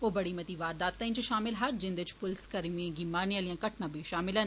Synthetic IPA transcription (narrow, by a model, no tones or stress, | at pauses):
oːbɐɽimɐt̪iʋaːɾd̪aːt̪ːɐĩnt͡ʃʃaːmɪlɦɐd͡ʒɪ̃nd̪ɪt͡ʃʰpʊlskɐɾmiẽɡiːmaːɾnijalijãkɐʈʰnãbʱiʃaːmɪlən